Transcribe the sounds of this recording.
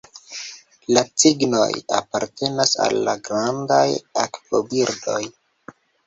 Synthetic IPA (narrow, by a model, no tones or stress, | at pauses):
lat͡siɡno̞̰ja̰paɾte̞nasa̰lːaɡɾandajaktobiɾdo̞j